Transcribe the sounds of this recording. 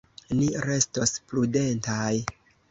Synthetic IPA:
niɾe̞stosplude̞ntaj

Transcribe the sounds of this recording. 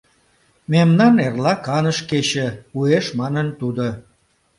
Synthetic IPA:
memnɑnerlɑkɑnəʃket͡ɕeueʃmɑnənt̪ud̪o

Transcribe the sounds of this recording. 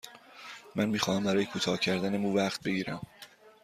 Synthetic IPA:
mænmiːxɒːhæmbæɾɒːjekʰuːt̪ʰɒːcʰæɾd̪ænemuːvæχt̪̚be̞ɟiːɾæm

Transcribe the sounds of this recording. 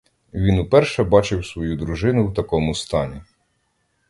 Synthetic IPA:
ʋʲinʊpɛrʃɛbɑt͡ʃɪwsʋɔjud̪ɾʊʒɪnʊwt̪ɐkɔmʊst̪ɑnʲi

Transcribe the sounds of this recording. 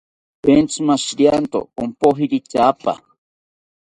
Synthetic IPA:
pent͡sʰɨmaʃiɾjant̪o̰ompoɦiɾit͡ʃapa̰

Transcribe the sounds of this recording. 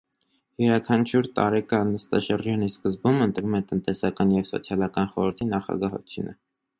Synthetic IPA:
jɛɾɑkʰɑnt͡ʃʰuɾt̪ɑ̰ɾɛkɑnːəst̪ɑ̰ʃəɾd͡ʒɑniskəzbumənt̪ɾumɛt̪ənt̪ɛsɑkɑnjɛvsɔ̰t͡sʰjɑlɑkɑnχɔɾəɾt̪ʰinɑχɑ̰ɡɑɦɔ̰t͡s̪ʰjṵnə

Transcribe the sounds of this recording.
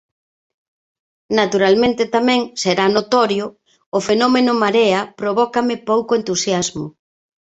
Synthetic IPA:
nat̪uɾalmẽnt̪ɪt̪amɛ̃ŋseɾanot̪ɔɾjʊː | fenɔmenʊmaɾeɐpɾoβɔkamɪpowkoent̪usjazmʊ̰

